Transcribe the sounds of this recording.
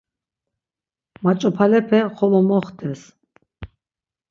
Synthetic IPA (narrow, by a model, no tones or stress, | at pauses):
mat͡ʃʼɔpʰalɛpʰɛχɔlɔmɔχt̪ʰɛs